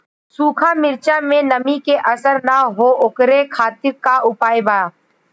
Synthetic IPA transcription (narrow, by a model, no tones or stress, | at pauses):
suːkʰãːmɪɾt͡ʃamẽnəmikeʔəsəɾnaɦoːʔokɾekʰaːt̪ɪɾkaʔʊpaːjbaː